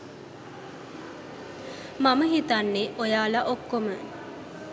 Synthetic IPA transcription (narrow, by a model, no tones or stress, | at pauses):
maməɦit̪anːeʔojaːlaʔokːomə